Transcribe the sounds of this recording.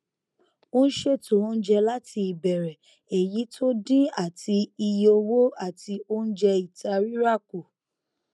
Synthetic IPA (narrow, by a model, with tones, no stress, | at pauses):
o˦ñ̩˦ʃe˦˨to˨˦n̩˦d͡ʒɛ˧la˦ti˧i˨bɛ˨ɾɛ˨ | e˨ji˨˦tʰo˦dĩ˦a˦˨ti˧i˧jo˧wo˦a˦˨ti˧o˦n̩˦d͡ʒɛ˧i˨ta˧ɾi˦ɾa˦˨ku˨